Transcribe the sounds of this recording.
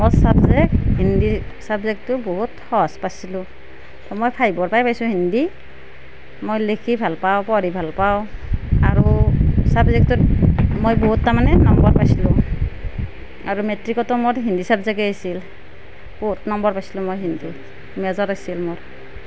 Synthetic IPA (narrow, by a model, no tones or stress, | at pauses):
mɔsabzekɦindisabzek̚tuboɦuthɔspasilʊ̃ | tɔmojpʰajbɔɹpajpajsũhindi | mojlekʰibʱalpawpɔɹibʱalpawaɹusabzɛk̚tumojbɔɦutːamanɛnɔmbɔɹpajsilʊ̃ | aɹumetɹikɔtɔmoɹɦindisabzɛkɛajsil | b̥ɔɦutnɔmbɔɹpajsilʊ̃mojɦindi | mɛzɔɾajsilmʊɹ